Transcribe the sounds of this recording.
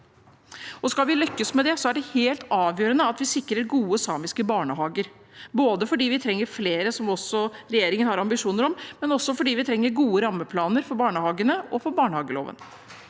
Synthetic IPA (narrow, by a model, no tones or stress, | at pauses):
ɔskɑlʋɪlʏkːəsmɛd̪ɛsɔæɖɛheːlt̪ɑːʋjøːɾənəɑt̪ʋɪsɪkːɾəɾɡuːəsɑːmɪskəbɑːɳəhɑːɡəɾ | boːd̪əfɔɖiːʋɪt̪ʰɾɛŋːəɾfleːɾəsɔmɔsːɔɾɛjeːɾɪŋənhɑɾɑmbɪʂuːnəɾɔmmɛnɔsːɔfɔɖiːʋɪt̪ʰɾɛŋːəɾɡuːəɾɑmːəpʰlɑːnəɾfɔɾbɑːɳəhɑːɡənəɔfɔɾbɑːɳəhɑːɡəlo̰ːʋə̰n